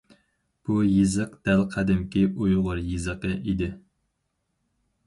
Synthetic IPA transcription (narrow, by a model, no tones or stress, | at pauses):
b̥ujizɨqd̪̥ælqʰæd̪ɪmkʲiʔujʁʊɾjɨzəqəʔid̪ɪ